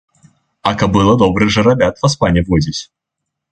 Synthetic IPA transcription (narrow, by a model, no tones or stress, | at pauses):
ɐkɐbɨlˠɐd̪ɔbɾɨɣʐɐɾɐbʲat̪vɐspanʲɛvɔdʲɪt͡sʲ